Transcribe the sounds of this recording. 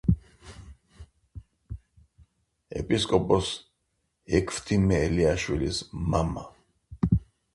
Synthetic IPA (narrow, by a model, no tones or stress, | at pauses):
ɛ̰pʼiskʼɔpʼɔs | ɛkʰft̪ʰimɛːliaʃwilḭsmama